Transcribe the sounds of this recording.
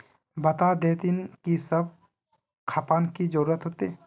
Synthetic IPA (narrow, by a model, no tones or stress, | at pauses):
bɐt̪ad̪eːt̪inkisəb̚ | kʰaːpaːnkid͡ʒəɾuːɾət̪ɦoːt̪e